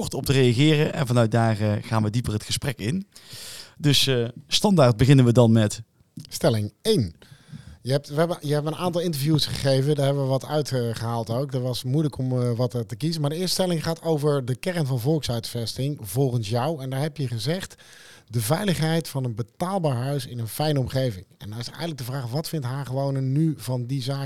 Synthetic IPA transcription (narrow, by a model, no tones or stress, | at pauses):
ɔɹtɔp̚tərejaχɪːrəʔɛ̰nvɑnœɥt̚daːrəχaːnʋədipərətχəsprɛkɪn | dɵsstɑndaːɹd̚bəɣɪnənʋədɑnmɛt | stɛlɪŋejn | jəɦɛp̚tʋəɛbəjəɦɛbənənʔaːntɑlˠɪntəɹvjusχəχejvədaːɹɦɛbəʋəʋɑtœɥtχəɦaːlˠtowkdətʋɑsmujləkɔmʋɑttəkizəmaːɹdəɪːɹstəstɛlɪŋχaːtʰowvəɹdəkɛrənvɑnvɔlˠksœɥtfɛstɪŋvɔlˠχənsjɑwɛndaːɹɦɛpjəχəzɛχt | dəvɛjləχɦɛjtfɑnənbətaːlˠbaːɹɦœɥsɪnənfɛjnəɔmχejvɪŋɛndɔnɪsɛ̰jɣənləɡ̚dəvraːχʋɑtfɪntɦaːχəʋownənːyvɑndizaː